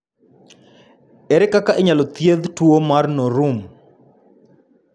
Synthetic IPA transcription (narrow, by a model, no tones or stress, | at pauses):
ɛɾɛkakaʔeɲalɔt̪jeðtwomarnɔɾum